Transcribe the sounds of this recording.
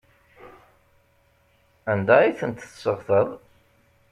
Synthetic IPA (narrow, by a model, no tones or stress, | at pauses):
ænd̪æiθənt̪θsəʁθəðˤ